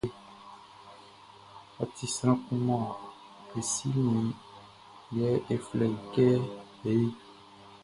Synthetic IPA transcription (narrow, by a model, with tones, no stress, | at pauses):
a˨t̪i˨sɾ̃ã˦kũ˦mã˦a˨ | e˨si˦nẽ˨ | jɛ˦ʔe˨flɛ˨i˨kɛ˦ | e˨e˦